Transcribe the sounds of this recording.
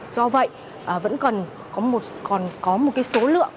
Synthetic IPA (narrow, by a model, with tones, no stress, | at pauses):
zɔ˧və̰˧˨jʔ | ʔəː˨˩və̰˧˥nkə˨˩n | kɔ˨˦mo˨˩t̚kɔ˨˩nkɔ˨˦mo˨˩t̚kaː˨˦jso˨˦lɨ̰˧˨əŋk